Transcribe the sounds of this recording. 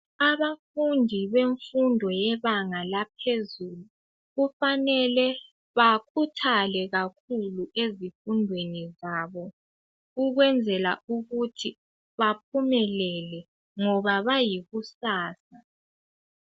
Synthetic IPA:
aβafundʱiβeɱfundʱɔjɛβaŋalap̚ʰezulu | ɣufanɛlɛ | βakʰutʰalɛɣakʰuluʔezifundʱwenizaːβɔ | uɣwɛnd͡zʱɛlauɣutʰi | βapʰumɛlɛlɛ | ŋɔβaβajiɣusaːsa

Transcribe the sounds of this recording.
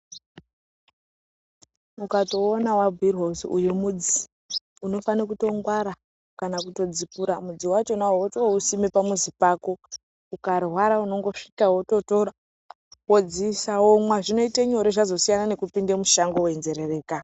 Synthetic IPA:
mukato̞ːnawabʱirɦwosṵjemud͡zi | uno̞fanikuto̞ŋɡwaɾa | kanakuto̞d͡zipuɾamud͡ziwat͡ʃo̞naɦootousimepamuzipaːko̞ | ukarɦwaɾauno̞ŋɡo̞ʂi̥kaɦwoto̞to̞ɾa | wod͡zisawomwaʐino̞iteɲoɾeʐazo̞sijanane̞kupindemuʃaŋɡo̞we̞nze̞ɾe̞re̞ːka

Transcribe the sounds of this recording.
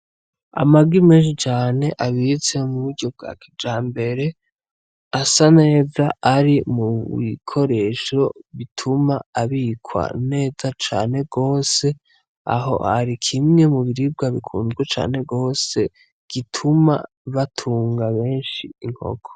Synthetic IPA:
a̰maɡwimeːnʃit͡ʃaːne̞ʔaβit͡se̞muβuɾɟo̞b̚ɡa̰ːkʰid͡ʒaːmbe̞ɾe̞ | asane̞ːzaaɾimuβḭkʰo̞ɾe̞ʃo̞βitʰumaaβikʰwa̰ne̞ːzat͡ʃa̰ːne̞ɡo̞ːse̞ | a̰ɦo̞̰ha̰ɾikʰimŋe̞muβiɾib̚ɡaβikʰṵːnzɡwet͡ʃa̰ːne̞ɡo̞ːse̞ | ɡ̥itʰuma̰ | βatʰuːŋɡaβe̞ːnʃiːŋ̥ho̰ɡo̥

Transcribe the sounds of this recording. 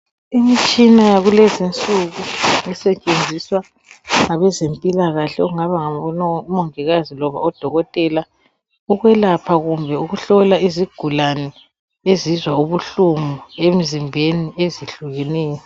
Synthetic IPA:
imit͡ʃʼinajaɣulezint͡sʼuɣuŋɛsɛt͡ʃʼend͡zʱiswa | ŋaβɛzempʼilaɣaɬɛɔɣuŋaβaŋaɔnɔumoŋiɣazilɔβa̰ɔd̥ʱɔɣɔtʼɛla | uɣwɛlapʰaɣumbʱɛuɣuɬɔlaiziɡ̥ʱulanɛ | ezizwauβuɬumuem̩zimbʱenieziɬuɣɛnɛːjɔ

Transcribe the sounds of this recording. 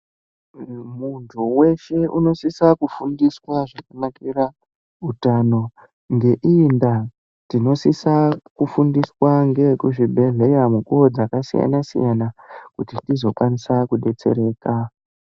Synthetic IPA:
muntʰuwe̞ʃe̞ʔuno̞sisakufundiswaʐakanakiɾa | utano̞ | ŋɡe̞ʔinda | tino̞sisakufundiswaŋɡe̞kuʐibʱe̞ɮe̞jamukuod͡zakasḭja̰nasḭjanakutitizo̞kwanisakuɗe̞t͡se̞̰ɾe̞ːka

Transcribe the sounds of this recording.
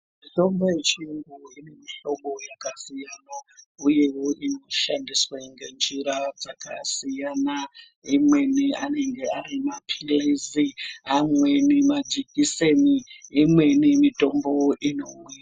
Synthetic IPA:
mito̞mbo̞jet͡ʃinɡuine̞miɬo̞ɓo̞jakasijanouje̞woʔino̞ʃandiswaŋɡend͡ʒiɾad͡zaka̰sijana | imwe̞niane̞ŋɡe̞aɾimapʰileziamwenimad͡ʒikiseniːmwe̞nimito̞mbo̞ʔino̞mwira

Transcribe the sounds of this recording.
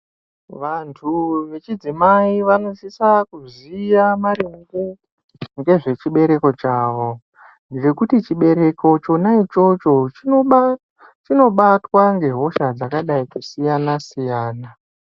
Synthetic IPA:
ʋantʰuʋe̞t͡ʃid͡zimaiʋano̞sisakuzijamaɾiŋɡu | ŋɡe̞ʐe̞t͡ʃiɓe̞ɾe̞ko̞t͡ʃaːʋo̞ | nɡet͡ʃekutit͡ʃiɓe̞ɾe̞ko̞t͡ʃo̞nait͡ʃo̞t͡ʃo̞t͡ʃ | t͡ʃino̞ɓatwaŋɡe̞ɦo̞ʃad͡zakaɗaikusijanasijaːna

